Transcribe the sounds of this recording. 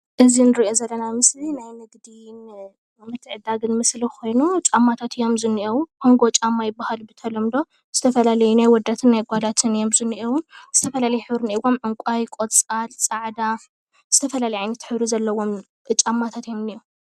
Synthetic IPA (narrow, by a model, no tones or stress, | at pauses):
ʔɨzinɨɾiʔo̞zɐlːɐnamɨslinajnɨɡd̪in | mɨt̪ʰːɨʕɨd̪aɡɨnmɨsliko̞jnut͡ʃʼamːat̪ʰat̪jo̞mzɨnːiʔɐwukʰo̞ŋɡo̞t͡ʃʼamːajɪbːahalbɨt̪ʰɐlomd̪o̞ | z̥ɨt̪ʰɐfɐlalɐjunajwɔd̪ːat̪ʰɨnːajɡʷad̪at̪ʰɨnjo̞mzɨnːiʔɐwuz̥ɨt̪ʰɐfɐlalɐjuħɨβɾɨniʔɨwːo̞mʕɨŋkʷʼajkʼot̪t͡sʼalsʼaʕd̪a | z̥ɨt̪ʰɐfɐlalɐjʕajnːɐt̪ħɨβɾizɐlːɐwːo̞m | t͡ʃʼamːat̪ʰat̪ijo̞mnijo